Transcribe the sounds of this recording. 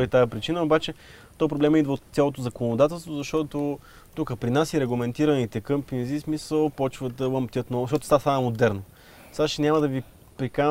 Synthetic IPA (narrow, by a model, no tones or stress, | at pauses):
it̪aɛpɾit͡ʃinəobat͡ʃɛ | t̪ɔjpɾoblɛmɛid̪vot̪sʲalˠot̪ozɐkonod̪at̪ɛlˠst̪vozɐʃt̪ɔt̪o | t̪ukəpɾinasiɾɛɡlˠɐmɛnt̪iɾɐnit̪ɛkɤmpinzismisəlˠpɔt͡ʃvəd̪ɐlˠəmpt̪ʲjət̪nɔɡʃtɔt̪ost̪asamomod̪ɛɾno | saʃɛnʲaməd̪ɐvi | pɾika